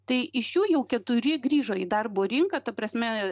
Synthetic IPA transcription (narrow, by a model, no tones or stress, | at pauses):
t̪ɐɪɪʃjuːjɛʊkʲɛt̪ʊɾʲɪɡɾʲiːʒoːid̪ɐrboːɾʲɪŋkɐt̪ɐpɾɐsʲmʲɛ